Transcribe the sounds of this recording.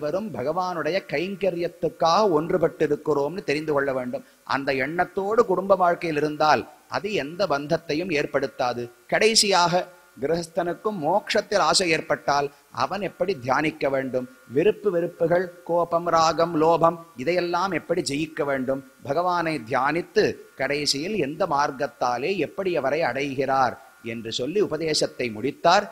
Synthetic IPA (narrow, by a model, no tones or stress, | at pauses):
ʋɐɾɯmbʱɐɣɐʋaːnɯɽɐjɐkɐjŋkɐɾɪjɐt̪ːɯkːaːɣɐɔndrɯpɐʈːɪɾɯkːɯroːmnɯt̪ɛɾɪnd̪ɯkɔɭːɐʋeːɳɖɯm | ʔɐ̰nd̪ɐɛɳːɐt̪ːoːɽɯkʊɽʊmbɐʋaːɻkɐjɪlɪɾɯnd̪aːlʔɐ̰ðɯɛnd̪ɐbɐnd̪ʱɐt̪ːɐjɯmeːɾpɐɽɯt̪ːaːðɯkɐɽɐɪsɪjaːɣɐ | ɡɪɾɪɦɐst̪ɐnɯkːɯmːoːkʂɐt̪ːɪlaːsɐeːɾpɐʈːaːl | ʔɐ̰ʋɐnɛpːɐɽid̪ʱjaːnɪkːɐʋeːɳɖɯmʋɪɾɯpːɯʋɪɾɯpːɯɣɐɭkoːpɐmɾaːɡɐmloːbʱɐmɪðɐjɛlːaːmɛpːɐɽid͡ʒɛjɪkːɐʋeːɳɖɯm | bʱɐɣɐʋaːnɐɪd̪ʱjaːnɪt̪ːɯkɐɽɐɪsɪjɪlɛnd̪ɐmaːɾɡɐt̪ːaːleːɛpːɐɽiɐʋɐɾɐɪɐɽɐjɣɪraːɾ | ɛndrɯsɔlːiʊbɐðeːʂɐt̪ːɐɪmʊɽɪt̪ːaːɾ